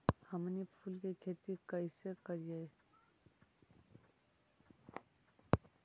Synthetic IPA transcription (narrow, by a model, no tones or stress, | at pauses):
hɐmnipʰulkekʰet̪ikəisekəɾije